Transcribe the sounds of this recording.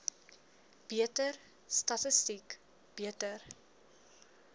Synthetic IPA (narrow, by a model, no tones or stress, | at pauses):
b̥iətər | stɐtəstik | b̥iətər